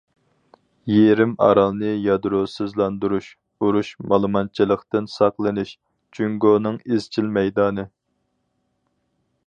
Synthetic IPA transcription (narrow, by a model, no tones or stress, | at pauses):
jeɾɪmɑ̰ɾɑlˠnɨjɑd̪ɾosɨzlˠɑnd̪uɾuʃ | uɾuʃmɑlˠɨmɑnt͡ʃʰilˠəqt̪ɨnsɑqlˠɨnɨʃ | t͡ʃʰyŋɡonɨŋizt͡ʃʰilmɛjd̪ɑːnɨ